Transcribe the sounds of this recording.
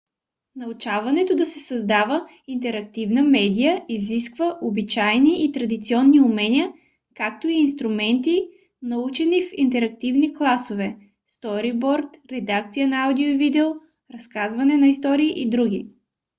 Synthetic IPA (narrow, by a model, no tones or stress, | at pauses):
nɐʊt͡ʃavɐnɛt̪od̪ɐsɛsɐzd̪avə | int̪ɛɾɐk̚t̪ivnəmɛd̪ijəiziskvəʔobit͡ʃajniʔːt̪ɾɐd̪it̪siɔnːiʊmɛnʲiə | kak̚t̪oiːnst̪ɾʊmɛnt̪i | nɐut͡ʃɛnifint̪ɛɾɐk̚t̪ivniklˠasovɛ | st̪ɔɾibɔɾt̪ɾɛd̪akt̪sijənɐawd̪iovid̪ɛo | ɾɐskazvɐnɛnɐist̪ɔɾiːʔid̪ɾuɡ̟i